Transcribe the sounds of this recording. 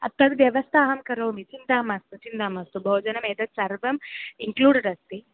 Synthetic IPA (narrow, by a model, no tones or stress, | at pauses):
ɐ̰t̪ːɐd̪ʋjɐʋɐst̪ʰaːɦɐmkɐɾɐʋmit͡ʃind̪aːmɐst̪ut͡ʃind̪aːmɐst̪ubʱoːd͡ʒɐnɐmeːd̪ɐt̪sɐɾʋɐmiŋkluːɖɐɖɐst̪i